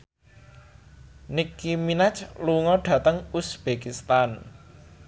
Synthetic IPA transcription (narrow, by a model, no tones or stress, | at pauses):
nikːiminat͡ʃluŋɔɖ̥ä̤t̪əŋusb̥ekist̪an